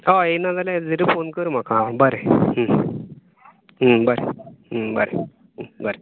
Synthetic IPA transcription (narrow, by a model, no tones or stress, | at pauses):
aenad͡zalad͡zəɾifonkəɾm̤akãbəɾeɦə | ɦəbəɾḛɦəbə̰ɾe | bəɾe